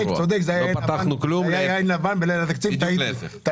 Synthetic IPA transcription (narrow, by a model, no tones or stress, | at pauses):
ekt͡sod̪ekzejat̪anuklujajajnlavanbelajlat̪akt͡sivvt̪aiit̪a